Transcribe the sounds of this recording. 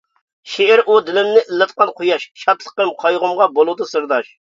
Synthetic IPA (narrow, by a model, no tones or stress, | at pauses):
ʃeɪɾʔud̪ɪlɪmnɪʔɪlːɨt̪qɑnqʰojɑʃʃɑt̪lˠə̥qəmqʰɑjʁʊmʁɑbolˠud̪ɨsɨɾd̪ɑʃ